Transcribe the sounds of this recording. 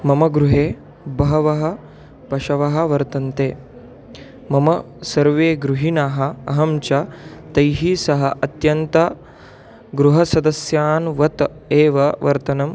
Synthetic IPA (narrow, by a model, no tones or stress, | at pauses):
mɐmɐɡɾuɦeː | bɐɦɐʋɐɦɐ̆ | pɐʃɐʋɐɦɐ̆ʋɐɾt̪ɐnt̪eː | mɐmɐ | sɐɾʋeːɡɾuɦinaːɦɐ̆ɐɦɐmt͡ʃɐt̪ɐjɦisɐɦɐʔɐt̪jɐnt̪ɐ | ɡɾuɦɐsɐd̪ɐsjaːnʋɐt̪ | eːʋɐʋɐ̰ɾt̪ɐnɐm